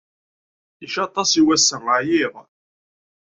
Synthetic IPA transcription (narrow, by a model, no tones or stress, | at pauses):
iʃɑt̪ˤɑsiwæsːəʁəʕjiʁˤ